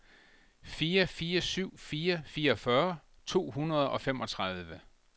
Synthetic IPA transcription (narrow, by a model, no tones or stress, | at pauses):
fiːɐfiːɐsyʊ̰fiːɐfiːɐɒfɶɐ | t͡sʰo̝̰ːɦunɐð̞ˠɒ̽fem̰ɒ̽t͡sʰʁað̞ˠʋə